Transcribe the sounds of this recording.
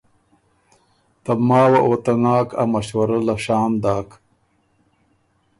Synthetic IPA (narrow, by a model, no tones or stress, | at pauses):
t̪ɐmɑːwaʔoːt̪ɐnaːkʰa̰mɐʃwɐɾalaʃaːmd̪aːk